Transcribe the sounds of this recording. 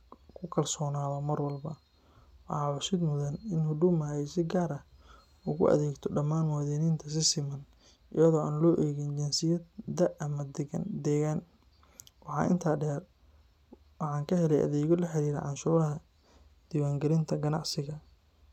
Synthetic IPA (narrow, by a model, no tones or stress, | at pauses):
kʰʊkʰɐrsɔːnaːðɐmɐrwɐlbɐ | wɑħɑːʕʊsɪd̪mʊðɐnɪnhʊɖʊmɐjɛsɪɡaːɾɐ | ʊɣʊ̰ʔɐ̰ðɛːɡt̪ʰɔɖɐmːaːnwɑðɛːnɪnt̪ʰɐs̬ɪsɪmɐn | ʔɪjɐðɔːaːnlɔːʔɛːɣɛnt͡ʃɛnsɪjɐd̪ɐʔɐmɐd̪d̪ɛːɣaːn | wɑħɑ̰ːʔɪ̰nt̪ʰaːɖɛːr | wɑħɑːŋkʰɐhɛlɛjʔɐ̰ðɛːɣɔlɐħɪɾiːɾɛ̰ʕɑnʃuːɾɐɦɐ | d̪̥iːwaːŋɡɐɾɪnt̪ʰɐɡɐnɑ̰ʕsɪɣɐ